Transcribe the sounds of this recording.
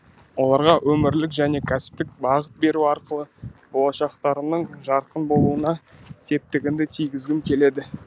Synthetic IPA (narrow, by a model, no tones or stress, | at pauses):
wo̞lˠɑɾʁɑwʔɵmɪɾlɪkʒæne̞kʲʰæsɪ̥p̚t̪ɪk̚bɑʁət̪̚be̞ɾuɑɾqəlˠəb̥o̞lˠɑʃɑqt̪ɑɾənəɴʒɑɾqənbo̞lˠuənɑse̞p̚t̪ɪɡʲɪnd̪ɪt̪ʰijɡʲɪzɡʲɪmkʲʰe̞le̞d̪ɪ